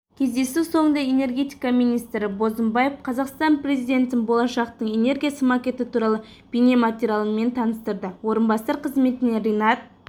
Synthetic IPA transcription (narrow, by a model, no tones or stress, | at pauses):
kʲʰe̞zd̪e̞suso̞ɴənd̪ɑe̞ne̞rɡʲe̞t̪ijkɑmijnijst̪ɾɪbo̞zəmbɑje̞fqʰɑzɑqst̪ɑnpre̞zijd̪ʲe̞nt̪ɪnbo̞lˠɑʃɑqt̪əɴe̞ne̞ɾɡʲijasəmɑkʲe̞t̪ɪt̪ʰuɾɑlˠə | b̥ine̞mat̪ʲeɾʲijalˠənme̞nt̪ʰɑnəst̪əɾd̪əwo̞ɾənbɑsɑɾqʰəzme̞t̪ɪneɾʲejnɑt̪̚